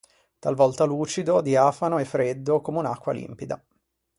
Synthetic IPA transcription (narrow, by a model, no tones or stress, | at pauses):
t̪alvɔlt̪aluːt͡ʃid̪od̪iaːfanoefːɾed̪ːokomeunakːwa̰lḭmpid̪a̰